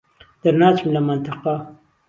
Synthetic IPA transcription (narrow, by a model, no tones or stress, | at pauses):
d̪̥aɾnɑːt͡ʃmlamant̪ɪqa